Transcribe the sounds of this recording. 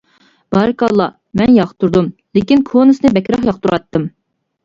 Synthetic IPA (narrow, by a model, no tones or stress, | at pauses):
b̥ɑɾɨkɑlˠːɑ | mɛnjɑχt̪ʰuɾd̪umlekʲinkʰonɨsnɨbɛkʲɾɑχjɑχt̪uɾɑt̪ːɨm